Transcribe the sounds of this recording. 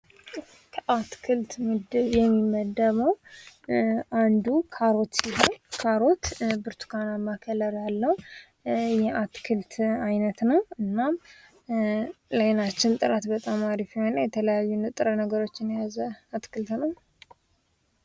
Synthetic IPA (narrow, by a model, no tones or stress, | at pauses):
kʰəʔat̪kʰɨlt̪mɨd̪ɨβjɛmːimːəd̪əməw | and̪ukʰaɾo̞t̪siɦowkʰaɾo̞t̪bɨɾt̪ʰu̥kʰanamakʰələɾalːəhu | jɛat̪kʰɨlt̪ʰajnət̪nəwɨnːam | lajnat͡ʃːɪnt̪ʼɨɾat̪bət̪ʼamaɾifihonəjɛt̪ʰələjajːunɨt̪ʼɨɾənəɡəɾo̞t͡ʃːɪnjazəat̪kʰɨlt̪nəw